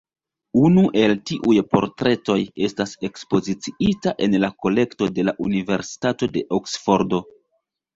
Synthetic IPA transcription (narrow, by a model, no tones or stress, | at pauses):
unuʔe̞ltiʔujpo̞̰ɾtɾe̞to̞je̞stase̞kspo̞zit͡siitaʔe̞nlako̞le̞kto̞de̞laʔunive̞ɾsi̥tato̞de̞ʔoksfo̞ɾdo̞